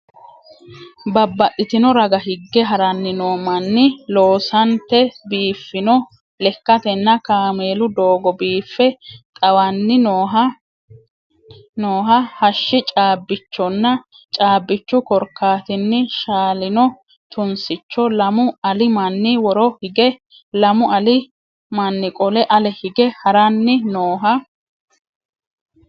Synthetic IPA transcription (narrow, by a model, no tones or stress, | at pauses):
bɐbːɐtʼːɪt̪ɪnɔɾɐɡɐhɪɡːɛɦɐɾɐnːɪnoːmɐnːɪlo̞ːsɐnt̪ːɛbiːfːɪnɔ | lɛkːɐt̪ɛnːɐkaːme̞ːlʊd̪oːɡɔbiːfːɛt̪ʼɐwɐnːɪnoːɦɐ | noːɦɐhɐʃːɪt͡ʃʼaːbːɪt͡ʃːɔnːɐ | t͡ʃʼaːbːɪt͡ʃːʊkɔɾkːaːt̪ɪnːɪʃaːlɪnɔ | t̪ʊnsɪt͡ʃːɔlɐmʊɐlɪmɐnːɪwɔɾɔhɪɡɛ | lɐmʊɐlɪ | mɐnːɪkʼɔlɛʔɐlɛhɪɡɛhɐɾɐnːɪnoːɦɐ